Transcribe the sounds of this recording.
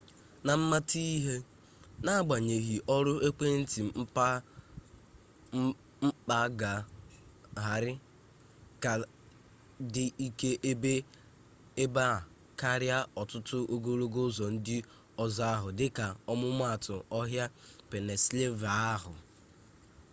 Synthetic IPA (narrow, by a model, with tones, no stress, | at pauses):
na˨m̩˦ma˦ti˦ɦe˦ | na˦ɡ͡ba˨ɲe˨ɦi˨ʔɔ˦ɾʊ˦e˦k͡pe˦n̩˦ti˨m̩˦pa˦ | m̩˦k͡pa˦ɡa˨ | ɦa˨ɾɪ˦ | ka˨ | dɪ˨i˦ke˦ʔe˦be˦ | e˦ba˦˨ | ka˦ɾja˦ɔ˨tʊ˦tʊ˦ʔo˦ɡo˦ɾo˦ɡo˦zɔ˨n̩˦dɪ˦ | ɔ˦za˦a˦ɦʊ˨dɪ˦ka˨ɔ˦mʊ˦m˦a˦˨tʊ˨ɔ˦ɦja˦pe˨ne˨sle˦va˨a˦ɦʊ˨